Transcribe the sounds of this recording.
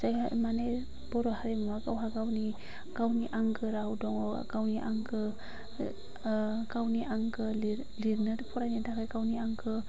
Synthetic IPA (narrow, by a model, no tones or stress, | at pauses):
z̥aja̰mane | bɔɾɔhaɾemaɡawɦaɡawni | ɡ̥awniʔaŋɡɯɾawdɔŋɔ̰ɡawniʔaŋɡɯ | ɡawniʔaŋɡɯli | liɾnɯɾpʰɔɾajnidakajɡawniaŋɡɯ